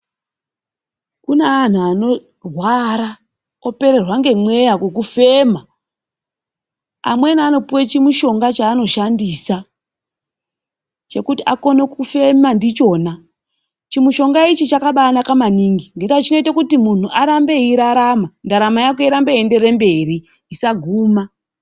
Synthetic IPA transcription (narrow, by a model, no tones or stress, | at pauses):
kuneːn̤uano̞ | rwaɾa | o̞pe̞ɾe̞rwaŋɡe̞mwe̞jakwek̬ufe̞ma | a̰mwe̞niano̞puwet͡ʃimuʃo̞ŋɡat͡ʃaːno̞ʃandisa | t͡ʃe̞kutiʔako̞ne̞kufe̞mandit͡ʃo̞ːna | t͡ʃimuʃo̞ŋɡait͡ʃit͡ʃakaɓaːnakamaniŋɡiŋɡe̞ŋɡat͡ʃino̞itakutimun̤uʔaɾambe̞iɾaɾamandaɾamajak̬o̞iɾambeende̞ɾe̞mbe̞ɾi | isaɡʱuːma